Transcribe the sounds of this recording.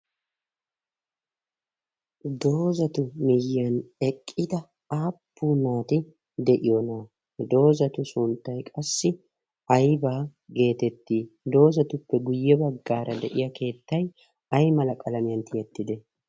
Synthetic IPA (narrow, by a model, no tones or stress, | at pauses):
d̪o̞ːzɐt̪ʊmɪjɐnɛkʼːɪd̪ɐ | aːpːuːnaːt̪ɪ | d̪ɛʔɪjɔnaː | d̪o̞ːzɐt̪ʊsʊnt̪ːɐjkʼɐsːɪ | ɐjbaːɡe̞ːt̪ɛt̪ːiːd̪o̞ːzɐt̪ʊpːɛɡʊjːɛbɐɡːaːɾʔɐd̪ɛʔɪjɐke̞ːt̪ːɐj | ɐjmɐlɐkʼɐlɐmɪjɐnt̪ʰɪjɛt̪ːɪd̪ɛ